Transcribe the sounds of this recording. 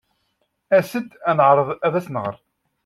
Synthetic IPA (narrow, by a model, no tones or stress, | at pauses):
æsəd̪ænəʕɾˤəðˤæðæsnəʁəɾˤ